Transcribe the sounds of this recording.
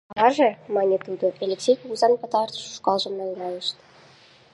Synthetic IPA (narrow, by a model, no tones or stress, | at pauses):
ɑɑʒĕmɑnʲet̪ud̪ŏʔelʲeksʲejkoɣuzɑnpɑt̪ɑrt̪ə̥ʃu̥ʃkɑlˠʒɤ̆mnɑŋɡɑjə̆ʃt̪